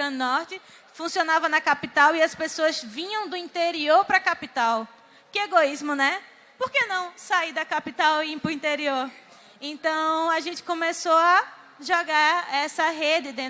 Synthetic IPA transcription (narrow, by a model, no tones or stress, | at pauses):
ɡɾɐ̃nɔɾt͡ʃɪ | fũsionavɐnɐkapit̪awiɐspesoɐzvĩɲɐ̃w̃d̪ʊĩnt̪eɾioɾpɾɐkapit̪aw | kɪeɡoizmʊnɛ | poɾkenɐ̃w̃said̪ɐkapit̪awĩpɾʊĩnt̪eɾioɾ | ẽnt̪ɐ̃w̃aʒẽnt͡ʃɪ̥kõmesoa | ʒɔɡaɛsɐɦed͡ʒɪd̪ẽ